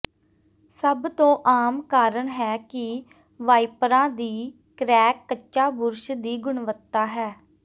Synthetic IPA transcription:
səbt̪õːʔaːmkaːɾəɳɦɛːkɪ | ʋaːipɾãːd̪iː | kɾɛːkːət͡ʃʃaːbʊɾʃd̪iːɡʊɳʋət̪ːaːɦɛː

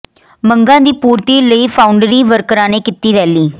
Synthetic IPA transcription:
məŋɡãːd̪iːpuːɾt̪iːləiːpʰaːʊɳɖɾiːʋəɾkɾãːneːkɪt̪ːiːɾɛːliː

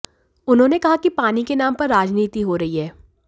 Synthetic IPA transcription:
ʊnɦõːnekɐɦakipaːnikenaːmpɐɾːaːd͡ʒniːt̪iɦoɾɐɦiɦɛː

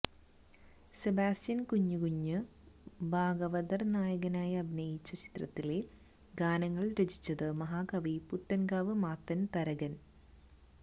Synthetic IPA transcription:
sebaːsjɐnkuɲːukuɲːɨ | bʱaːɡɐʋɐd̪ɐrnaːjɐɣɐnaːjɐbinɐjit͡ɕːɐt͡ɕi̥t̪rɐ̰t̪ːile | ɡaːnɐŋːɐɭɾet͡ɕi̥t͡ɕːɐðɨmɐɦaːɡɐʋiput̪ːɐnɡaːʋɨmaːt̪ːɐnt̪ɐɾɐɣɐn

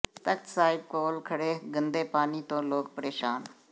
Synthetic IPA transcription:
t̪əkt̪saːɪb̚koːlkʰəɽeːɡənd̪eːpaːniːt̪õːloːkpəɾeːʃaːn

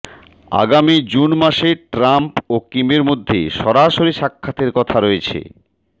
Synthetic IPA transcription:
a̰ɡamid͡ʑunmaʃeʈɾampokimeɾmod̪ʱːḛʃɔɾaʃoɾiʃakʰːat̪eɾkɔt̪ʰaɾɔet͡ɕʰḛ

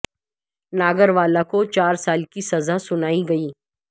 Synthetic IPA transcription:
naːɡəɾʋaːlakot͡ʃaːɾsaːlkisɐzasʊnaːiɡɐiː

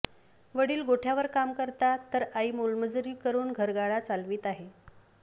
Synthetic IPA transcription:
ʋəɽiːlɡoʈʰjaʋəɾkamkəɾt̪at̪əɾaiːmulməd͡zɾiːkəɾuːnɡʱəɾɡaɭat͡salʋiːt̪aɦe

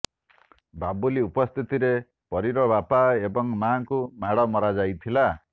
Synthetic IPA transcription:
babuliupɔst̪ʰit̪iɾe | pɔɾiɾɔbapaebɔŋmaːŋkumaɽɔmɔɾad͡ʒajt̪ʰila

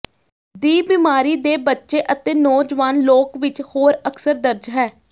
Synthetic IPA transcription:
d̪iːbɪmaːɾiːd̪eːbətːʃeːʔət̪eːnɔːd͡ʒʋaːnloːkʋɪt͡ʃhoːɾəksəɾd̪əɾd͡ʒɦɛː

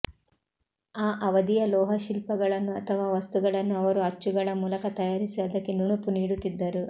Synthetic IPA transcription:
aːʔɐʋɐd̪ijɐlɔːɦɐʃilpɐɡɐɭɐnːuɐt̪ʰɐʋaːʋɐst̪uɡɐɭɐnːuɐʋɐɾuɐt͡ʃːuɡɐɭɐmuːlɐkɐt̪ɐjaːɾisiɐd̪ɐkːenuɳupuniːɽut̪ːid̪ːɐɾu

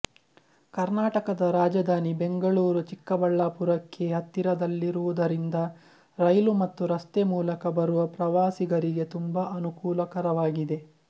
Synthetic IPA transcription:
kɐɾnaːʈɐkɐd̪ɐɾaːd͡ʒɐd̪ʱaːnibe̞ŋɡɐɭuːɾut͡ʃikːɐbɐɭːaːpuɾɐkʰːe̞ɦɐt̪ːiɾɐd̪ɐlːiɾuʋud̪ɐɾind̪ɐ | ɾɐjlumɐt̪ːuɾɐst̪emuːlɐkɐbɐɾuʋɐpɾɐʋaːsiɡɐɾiɡe̞t̪umbɐʔɐnukuːlɐkɐɾɐʋaːɡid̪e̞

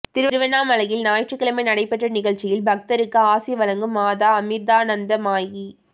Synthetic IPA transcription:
t̪ɪɾɯɾɯʋɐnaːmɐlɐjɪlnaːjʈrɯkːɪɭɐmɐɪnɐɽɐɪpːɛʈrɐnɪɣɐɭt͡ʃːɪjɪlbɐk̚t̪ɐɾɯkːɯaːsɪjɐʋɐlɐŋɡɯmːaːðaːɐmɪd̪aːnɐnd̪ɐmaːji

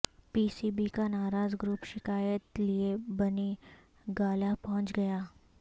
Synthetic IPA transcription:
piːsiːbikanaːɾaːzɡɾuːpʃɪkaːjət̪liebɐni | ɡaːlapɔɦʊ̃nt͡ʃɡɐjaː

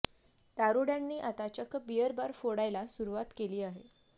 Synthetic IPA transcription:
t̪aɾuɽjanːiːʔat̪at͡ɕəkbijəɾbaɾfoɽajlasuɾuʋat̪keliːaɦe

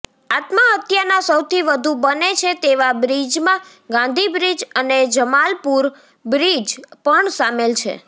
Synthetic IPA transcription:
at̪maɦət̪janasəwt̪ʰiʋəd̪ʱubənet͡ʃʰet̪eʋabɾid͡ʒmã | ɡãnd̪ʱibɾid͡ʒəned͡ʒəmalpuɾ | bɾid͡ʒpəɳsamelt͡ʃʰḛ

